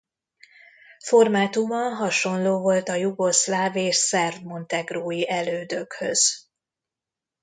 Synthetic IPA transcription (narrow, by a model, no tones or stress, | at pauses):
fo̞rmaːt̪umɒɦɒʃo̞nloːvo̞lt̪ɒjuɡo̞slaːveːʃsɛrd̪mo̞nt̪ɛɡroːjiʔɛløːd̪ø̞khø̰z̥